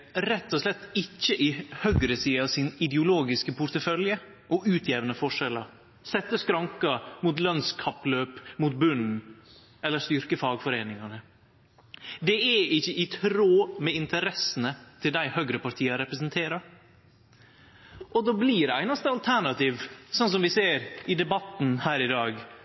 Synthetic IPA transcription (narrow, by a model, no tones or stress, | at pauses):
ɾɛt̪ːɔslɛt̪ːɪçːəʔɪhœɡɾəsiːɑsɪnɪd̪ɛʊloːɡɪskəpʰʊɾt̪əfœljə | ʔɔʔʉːt̪ʰjeːʋənəfɔʂɛlɑɾ | sɛt̪ːəskɾɑŋkɑmuːt̪lœnskʰɑpløːpmuːt̪̚bʉn̩ | ɛlːəʂt̪ʏɾkəfɑːɡfɔɾeːnɪŋɑnə | d̪ɛɛɪçːəʔɪt̪ʰɾoːmɛɪnt̪ʰəɾɛsənət̪ʰɪld̪æɪhœɡɾəpɑɾʈ̪ʰiːɑɾɛpɾɛsənt̪ʰeːɾɑɾ | ʔɔd̪oːbliːɖæɪnɑst̪əɑlt̪ʰæɳɑt̪iːʋsɔnsɔmʋɪseːɾɪd̪ɛbɑt̪n̩hæːɾɪd̪ɑːɡ